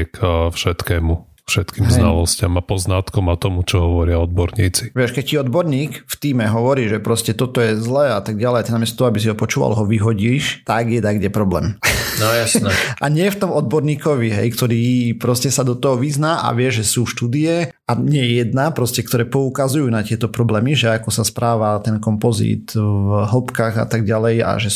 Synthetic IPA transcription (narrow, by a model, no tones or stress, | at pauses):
kfʃɛt̪kɛːmu | fʃɛt̪kiːmɦzɛna̰lɔscamapɔznat̪kɔmat̪ɔmut͡ʃɔɦɔʋɔɾɪaɔd̪̚bɔɾɲiːt͡si̥ʋɪɛʃkɛc̚ciɔd̪bɔɾɲiːkft̪iːmɛɦɔʋɔɾiːʒɛpɾɔscɛt̪ɔt̪ɔjɛzlɛːat̪aɡ̚ɟalɛjat̪inamɪɛst̪at̪ɔɦɔabisiɦɔpɔt͡ʃuːʋa̰lɦɔʋiɦɔɟiːʃt̪aɡjɛd̪aɡɟɛpɾɔblɛ̰ːmnɔjasnɛʔa̰ɲɪɛft̪ɔmɔd̪̚bɔɾɲiːkɔʋiɦɛ̰jkt̪ɔɾiːpɾɔscɛsad̪ɔt̪ɔɦɔʋiznaːʔa̰ʋɪɛʒʒɛsuːʃt̪uːd̪iɛ | aɲɛɛjɛd̪napɾɔscɛkt̪ɔɾɛːpɔukazujuːnat̪ɪɛt̪ɔpɾɔblɛːmiʒɛakɔsaspɾaːʋat̪ɛnkɔmpɔzḭːt̪vɦl̩pkaɣa̰t̪aɡɟalɛja̰ʒɛ